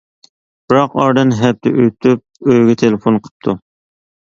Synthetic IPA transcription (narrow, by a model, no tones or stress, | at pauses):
b̥ɨɾɑqɑɾd̪ɨnɦɛp̚t̪ʰɛ̰ʔøt̪ʰyp̚øjɡʲɛt̪ʰelɪfonqʰə̥p̚t̪ʰu